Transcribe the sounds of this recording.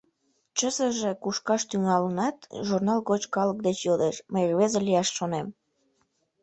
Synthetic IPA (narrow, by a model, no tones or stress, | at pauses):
t͡ɕəzəʒekuʃkɑʃt̪yŋɑlənɑt̪ʒurnɑlɣot͡ɕkɑlək̚d̪et͡ɕjod̪eʃməjrβezelijɑʃːonem